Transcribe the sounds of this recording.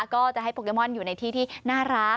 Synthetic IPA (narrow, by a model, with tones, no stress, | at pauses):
kɔː˥˩t͡ɕa˨˩ʔɦa˥˩jpʰoː˧ke˧mɔ˥˩njuː˨˩na˧jt̪ʰiː˥˩t̪ʰiː˥˩naː˥˩ɾa˦˥